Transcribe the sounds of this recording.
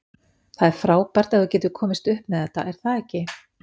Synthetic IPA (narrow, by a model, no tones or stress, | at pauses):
θaðɛɾ̥fɾaːwpaɾ̥t̪aðvʏcɛːt̪ʏkʰɔːmɪst̪ʏhpmɛðɛt̪a̰ʔɛɾ̥θaðɛhcɪ